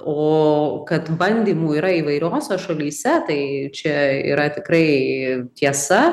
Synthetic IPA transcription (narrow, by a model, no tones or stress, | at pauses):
oːkɐt̪bɐnʲd̪ʲiːmuːiːɾɐiːʋɐɪɾʲoːsʲɛʃɐlʲiːsʲɛt̪ɐɪt͡ʃʲɛḭːɾɐt̪ʲɪkɾɐɪt̪ʲiɛsɐ